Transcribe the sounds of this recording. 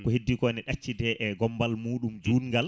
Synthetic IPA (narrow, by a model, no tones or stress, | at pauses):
kɔhedːikɔnɛɗat͡ʃːidɛʔɛɡɔmbalmuːɗumd͡ʒuːnŋɡal